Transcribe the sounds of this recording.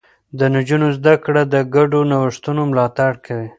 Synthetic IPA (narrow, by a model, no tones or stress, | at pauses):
d̪ənad͡ʒunozd̪akɽad̪əɡaɖonawəʂt̪unomlɑt̪aɽkʰawi